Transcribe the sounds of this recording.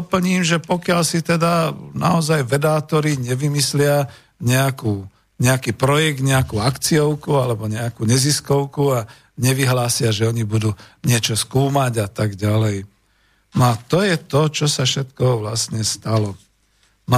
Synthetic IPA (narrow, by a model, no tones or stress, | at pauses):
pl̩ɲiːmʒɛpɔkɪalsit̪ɛd̪ana̰ɔzajʋɛd̪aːt̪ɔɾiɲɛʋimislɪa | ɲɛakuː | ɲɛakiːpɾɔjɛɡ̚d̪ɲɛakuːakt͡siɔʊkualɛbɔɲɛakuːɲɛziskɔʊkua | ɲɛʋiɦlaːsɪaʒɛɔɲibud̪uːɲɪɛt͡ʃɔskuːmaɟat̪aɡɟalɛj | nɔat̪ɔjɛt̪ɔt͡ʃɔsafʃɛt̪kɔʋlasɲɛst̪alɔ | n